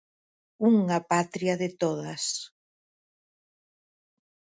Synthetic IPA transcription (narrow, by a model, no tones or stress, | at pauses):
uŋapat̪ɾiaðɪt̪oðɐs